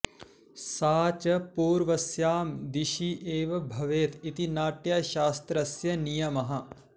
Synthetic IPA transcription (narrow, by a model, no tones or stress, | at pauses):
saːt͡ʃɐpuːɾʋɐsjaːmd̪iʃiʔeːʋɐbʱɐʋeːt̪it̪inaːʈjaːʃaːst̪ɾɐsjɐnijɐmɐɦɐ̆